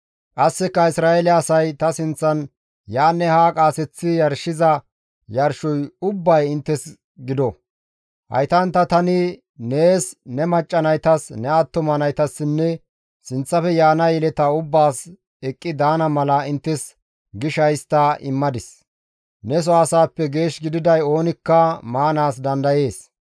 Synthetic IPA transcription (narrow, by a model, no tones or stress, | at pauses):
kʼɐsːɪkːɐɪsɾaːɛlɪɐsɐjt̪ɐsɪnt͡sːɐn | jaːnːɛhaːkʼaːsɛt͡sːɪjɐɾʃɪzɐ | jɐɾʃɔjʊbːɐjɪnt̪ːɛs | ɡɪd̪ɔ | hɐ̰jt̪ɐnt̪ːɐt̪ɐnɪ | ne̞ːsnɛmɐt͡ʃʼːɐnɐjt̪ɐsnɛɐt̪ːɔmɐnɐjt̪ɐsːɪnːɛ | sɪnt͡sːɐfɛjaːnɐjɛlɛt̪ɐʊbːaːs | ɛkʼːɪd̪aːnɐmɐlɐɪnt̪ːɛs | ɡɪʃɐjst̪ɐɪmːɐd̪ɪs | nɛs̬ɔaːsaːpːɛɡe̞ːʃɡɪd̪ɪd̪ɐjo̞ːnɪkːɐmaːnaːsd̪ɐnd̪ɐje̞ːs